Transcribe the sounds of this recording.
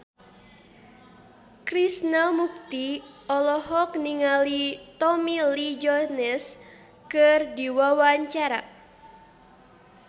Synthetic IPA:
kɾisnalmuk̚t̪i | ɔlɔhɔk̚niŋalit̪ɔmilid͡ʒɔnɛs | kɨrdiwawaɲt͡ʃaɾa

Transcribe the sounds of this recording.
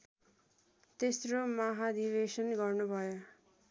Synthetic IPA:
t̪esromaɦad̪iβesʌnɡʌrnubʱʌjo

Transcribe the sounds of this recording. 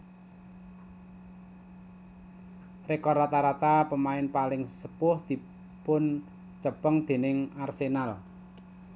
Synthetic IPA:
rekɔrat̪aɾat̪apəmaɪnpalɪŋsəpʊhd̪̥i̤ | pʊn | t͡ʃəpəŋd̪̥e̤nɪŋarsenal

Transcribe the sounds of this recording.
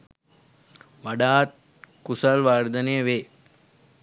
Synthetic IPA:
ʋaɖaːt̪̚ | kusalʋaːɾd̪ənejəʋeː

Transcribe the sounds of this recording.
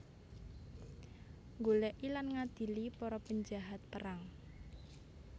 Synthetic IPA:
ŋɡolɛʔilanŋad̪̥i̤lipɔɾɔpəɲd͡ʒaɦat̪̚pəɾaŋ

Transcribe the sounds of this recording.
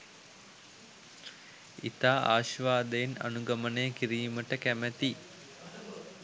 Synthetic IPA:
ḭt̪aːʔa̰ːʃʋaːd̪əjena̰nuɡɐmənəjəkiɾiːməʈəkæmæt̪i

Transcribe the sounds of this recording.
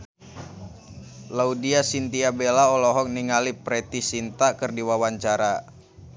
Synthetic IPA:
laudiasint̪iabelaɔlɔɦɔk̚niŋalipɾɛt̪isint̪akɨrdiwawaɲt͡ʃaɾa

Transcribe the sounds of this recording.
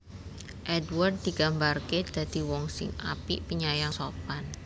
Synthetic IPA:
ʔɛdward̪̚d̪i̤ɡ̥ambarked̪̥ä̤d̪̥i̤wɔŋsɪ̰ŋa̰pḭpiɲajaŋsopan

